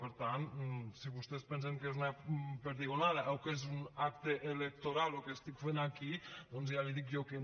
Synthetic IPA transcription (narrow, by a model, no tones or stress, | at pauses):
peɾt̪ansiβust̪espenseŋkezunapeɾðiɣonaðaʔewkezunak̚t̪eʔelek̚t̪oɾalokest̪ikfenakid̪ɔnzjaliðik̬joke